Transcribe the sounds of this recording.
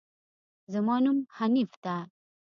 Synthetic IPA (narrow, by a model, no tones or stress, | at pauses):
zəmɑnumhanift̪a